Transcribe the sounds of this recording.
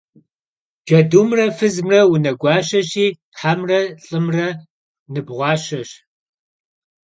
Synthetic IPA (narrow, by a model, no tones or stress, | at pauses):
ʒ̥ɐduːmrɐfɨzmrɐwʊnɐɡʷɑːɕɐɕiː | ħamrɐɬʼɨmrɐ | nɨbʁʷɑːɕɐɕ